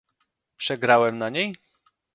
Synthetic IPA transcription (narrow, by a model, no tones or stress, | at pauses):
pʂɛɡɾawɛmnaɲej